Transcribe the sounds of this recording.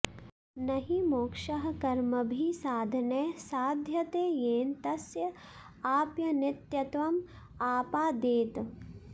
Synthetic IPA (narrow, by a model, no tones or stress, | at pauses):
nɐɦimoːkʃɐɦɐkɐɾmɐbʱisaːd̪ʱɐneːsaːd̪ʱjɐt̪eːjeːnt̪ɐsjɐ | aːpjɐnɪt̪jɐt̪ʋɐm | aːpaːd̪eːt̪